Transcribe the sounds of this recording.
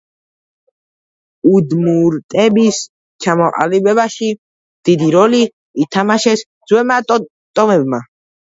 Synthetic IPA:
ud̪muɾt̪ʼɛbis | t͡ʃʰamɔqʼa̰libɛbaʃi | d̪̥id̪iɾɔliː | t̪ʰamaʃɛsd̪z̥wɛmatʼ | t̪ʼɔmɛbma

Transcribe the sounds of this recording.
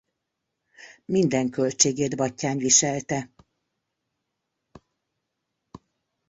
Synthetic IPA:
mind̪ɛŋkø̞lt͡ʃeːɡeːd̪bɒcːaːnʋiʃɛlt̪ɛ

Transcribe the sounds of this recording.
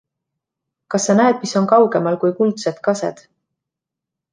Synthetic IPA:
kɑsːɑnæed̪̥̚miso̞nkɑwɡ̥e̞mɑlkujkult̪set̪kɑsḛd̪̥

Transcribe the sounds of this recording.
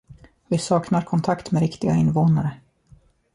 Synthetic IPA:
vɪsɑːknaɾkʰɔnt̪ʰakt̪mɛɾɪkt̪ɪɡaɪnːvoːnaɾə

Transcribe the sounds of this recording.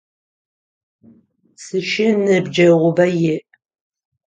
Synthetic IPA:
sɨʃɪnɨbd͡ʒɐʁʷʊbɐjɪʔ

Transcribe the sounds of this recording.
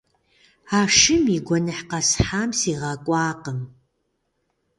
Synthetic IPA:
aːʂɨmiɡʷɔnɨħqɐsħaːmsiːʁɐkʷʼɑːqəm

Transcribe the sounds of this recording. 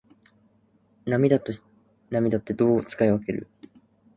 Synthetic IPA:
namʲid̪at̪o | namʲid̪at̪ːe̞d̪o̞ːt͡sɨ̥kaeβake̞ɾɯ̟̰

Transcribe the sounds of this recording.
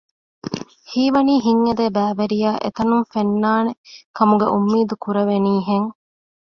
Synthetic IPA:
hiːʋɐniːɦiŋːɐd̪eːbæːʋeɾijaːʔḛt̪ɐnumfenːaːnekɐmuɡḛʔumːiːd̪ukuɾɐʋeniːɦeŋ

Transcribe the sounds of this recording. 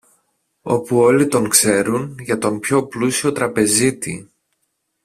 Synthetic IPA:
o̞puo̞lit̪o̞ŋkse̞ɾunʝɐt̪o̞mpço̞plusio̞t̪ɾɐpe̞zit̪ḭ

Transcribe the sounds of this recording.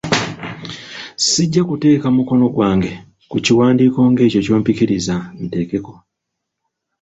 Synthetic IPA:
siɟːakute̞ːkamuko̞no̞ɡwaːŋɡe̞ | kuciwaːndiːko̞ːŋɡe̞ːco̞co̞ːmpikiɾizamite̞ːke̞ko̞

